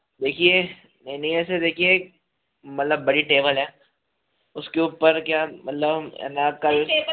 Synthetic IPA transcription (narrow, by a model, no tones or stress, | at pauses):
d̪eːkʰie | nɐɦĩnɐɦĩɛːs̬ed̪eːkʰie | mɐt̪ləbːɐɽiʈeːbəlɦɛː | ʊskeuːpəɾkjaːmɐt̪ləbɛ̰nakɐl